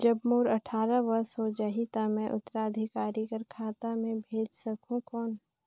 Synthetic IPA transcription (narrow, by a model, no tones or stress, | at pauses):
d͡ʒɐbmoːɾɐʈʰaːɾaʋɐɾsɦod͡ʒaːɦit̪amɛ̃ʔʊt̪ːəɾaːd̪ʱikaːɾikɐɾkʰaːt̪amẽbʱeːd͡ʒsɐkũkɔːn